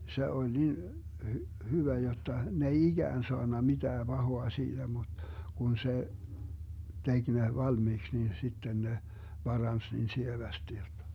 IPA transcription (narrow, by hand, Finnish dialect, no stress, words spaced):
se olʲ nin hy hyʋæ jotːɑ ne ei iɡ̊æːn soɑnːɑ mitæː b̥ɑhoɑ siːd̥æ mut kun se tek ne ʋɑlmiːks nin sitːen ne b̥ɑrɑns niːn sieʋæsti jotːɑ̥